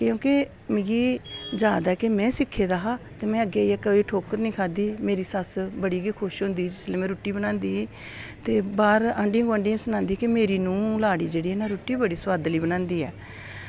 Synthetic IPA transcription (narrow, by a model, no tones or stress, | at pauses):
kjõːke | mɪ̃ɡiːd͡ʒaːd̪aːkemɛ̃ːsɪkʰːeːd̪aːɦaːt̪eːmɛ̃ːəɡeːɛːkəʋiːʈʰoːkəɾnĩːkʰaːd̪iːmeːɾiːsəsbəɽiːɡeːkʰʊʃɦʊ̃nd̪iːd͡ʒɪslẽːmɛ̃ːɾuːʈːiːbənãːnd̪iː | t̪eːbaːɾə̃ɳɖɪŋɡəɳɖɪːñsənãːnd̪iːkemeːɾiːnũːlaːɽiːd͡ʒeːɽiːɛnãːɾuːʈːiːbəɽiːsʋaːd̪liːbənãːnd̪iːɛ̰ː